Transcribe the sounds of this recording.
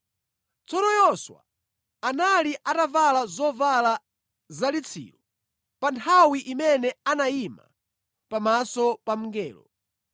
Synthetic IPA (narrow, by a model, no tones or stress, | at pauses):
t͡sʰɔnɔjɔswa̰ | analiʔatavalazɔvala | zalit͡sʰḭːlɔ | pantʰawiʔimɛnɛanajima̰ | pamasɔpam̩ŋɡɛːlɔ̰